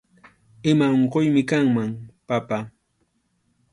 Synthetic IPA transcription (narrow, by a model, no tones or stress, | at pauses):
ɪmaoɴqojmɪkaŋmaŋpapa